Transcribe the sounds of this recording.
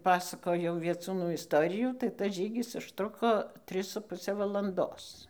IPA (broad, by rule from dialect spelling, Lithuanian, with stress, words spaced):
ˈpɑːsɐkoːjɛʊ ʋʲiɛˈt͡suːnuː ɪsˈtoːrʲɪjuː tɐɪ tɐs ˈʒʲiːɡʲɪs ʊʃˈtrʊkoː ˈtʲrʲɪs sʊ ˈpʊsʲɛ ʋɐlˠɐnˈdoːs